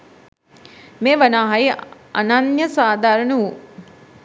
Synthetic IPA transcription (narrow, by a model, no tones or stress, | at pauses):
meːʋənaːɦaji | a̰nanjəsaːd̪aːɾənuu